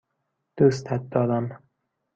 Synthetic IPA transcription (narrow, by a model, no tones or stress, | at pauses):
d̪̥ust̪hæt̪̚d̪ɒːd̪æn